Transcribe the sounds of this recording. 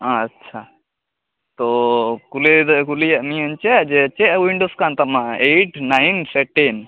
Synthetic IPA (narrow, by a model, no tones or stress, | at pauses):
aːtːʃʰa | t̪ɔkuled̪əkulijaʔmĩant͡ʃɛʔd͡ʒɛt͡ʃɛʔwiɳɖoskant̪amaʔeʈnajnsɛʈɛn